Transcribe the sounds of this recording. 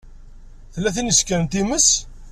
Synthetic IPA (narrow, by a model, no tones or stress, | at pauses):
θəlːæθənəskænt̪iməs